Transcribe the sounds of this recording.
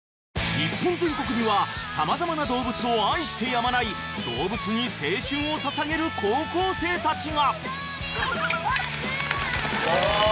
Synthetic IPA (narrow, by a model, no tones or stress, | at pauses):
ɲʲipːõ̞nd͡zẽ̞ŋko̞kɯ̟bʲiβasamazamanad̪o̞ːbɯ̟t͡sɨo̞ãĩɕi̥t̪e̞jamanai | d̪̥o̞ːbɯ̟t͡sɨɲ̟ise̞ːɕɨ̃ɰ̃o̞sasaɡe̞ɾɯ̟kʰo̞ːko̞ːse̞ːt̪at͡ɕiɡa